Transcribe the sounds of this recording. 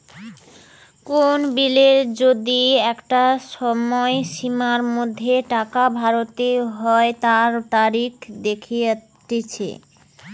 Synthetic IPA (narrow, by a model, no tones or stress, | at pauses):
konbileɾd͡ʑod̪iɛkʈaʃɔmɔeʃimaɾmod̪ʱːeʈakabʱaɾot̪eɦɔet̪aɾt̪aɾikd̪ekʰija | et͡ɕʰḛ